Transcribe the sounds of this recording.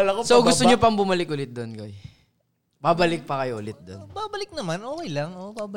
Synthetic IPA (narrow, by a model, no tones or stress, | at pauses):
ɐlɐkosoɡʊt̪oɲopɐŋbʊmɐlɪk̚ʔʊlɪt̪̚d̪onkoɛ | babɐlɪk̚pɐkɐjoʔʊlɪt̪̚d̪o̰nbaːbɐlɪk̚nɐmanʔoːkejlɐŋʔobabɐ